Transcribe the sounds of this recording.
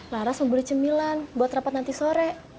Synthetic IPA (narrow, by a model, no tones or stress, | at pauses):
laɾasməmbulit͡ʃəmilanbuat̪rapat̪nant̪isoɾɛʔ